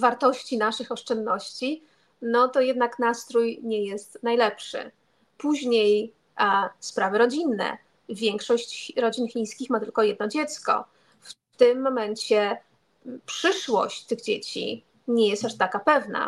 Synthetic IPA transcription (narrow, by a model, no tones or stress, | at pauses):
vaɾt̪ɔɕt͡ɕinaʂɘxɔʂt͡ʂɛnd̪nɔɕt͡ɕi | nɔt̪ɔjɛd̪naknast̪ɾujɲɛjɛst̪najlɛpʂɘ̰ | puʑɲej | spɾavɘɾɔd͡ʑinːɛ̰ | vʲjɛŋkʂɔɕt͡ɕɾɔd͡ʑinxʲij̃skʲixmat̪ɘlkɔjɛd̪nɔd͡ʑɛt̪skɔ̰ | f | t̪ɘmːɔmɛɲt͡ɕɛ | pʂɘʂwɔ̰ɕt͡ɕt̪ɘɣd͡ʑet͡ɕḭ | ɲɛjɛst̪aʂt̪akapɛvna̰